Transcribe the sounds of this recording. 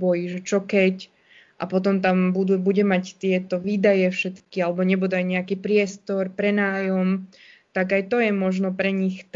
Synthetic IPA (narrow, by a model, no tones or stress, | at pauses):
bɔjiʒɛt͡ʃɔkɛc | ʔa̰pɔt̪ɔmt̪ambud̪ubuɟɛmact̪ɪɛt̪ɔʋiːd̪ajɛfʃɛt̪kialɛbɔɲɛbud̪uajɲɛakiːpɾɪɛst̪ɔɾpɾɛnaːjɔm | t̪aɡajt̪ɔjɛmɔʒnɔpɾɛɲixt̪